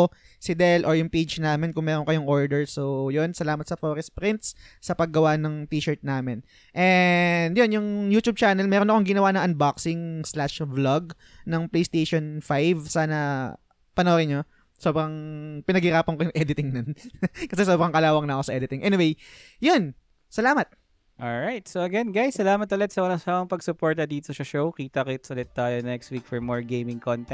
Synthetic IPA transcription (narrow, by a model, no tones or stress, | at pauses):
sɪd̪ɛlʔoɹjʊŋpejd͡ʒnaːmɪnkʊŋmɛːɾonkɐjoŋʔo̞ɹd̪ɛɹsojonsɐlaːmɐt̪sɐfoɾɛspɾɪnt̪̚sːɐpɐɡːɐwanɐŋt̪iːʃɛɹt̪̚naːmɪn | ʔɛnd̪jonjʊŋjuːt̪ub̚t͡ʃanɛlmɛːɾonɐkoŋɡɪnɐwaːnɐŋʔɐnbaksɪŋslaʃblɐɡ̚ | nɐŋplejst̪ejʃonfajvsaːnɐ | pɐnɐwɾɪnɲo | so̞ːbɾɐŋpɪnɐɡhɪɾaːpɐnkojʊŋʔɛd̪ɪt̪ɪŋnonkɐsɛsobɾɐŋkɐlaːwɐŋnɐʔɐko̞sɐʔɛːd̪ɪt̪ɪŋʔɛnɪwej | jon | sɐlaːmɐt̪̚ | ʔolɹajt̪̚soɐɡɛnɡajsːɐlaːmɐt̪ʊlɛt̪sɐmɐnɐsamɐŋpɐɡsʊpoɹt̪ɐd̪iːt̪oʃɐʃowkiːt̪ɐkɪt̪sɐʊlɛt̪ːaːjonɛkst̪wik̚fɔɹmoɹɡejmɪŋkont̪ɛ